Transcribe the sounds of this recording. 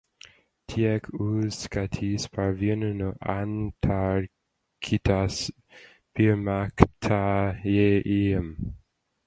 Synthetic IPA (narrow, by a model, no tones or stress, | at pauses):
t̪ʰiɛkʰuzkat̪ʰispʰaɹvjɛnənəʔantʰaɹ | kʰit̪ʰas | piɹmaktʰajeʔiəm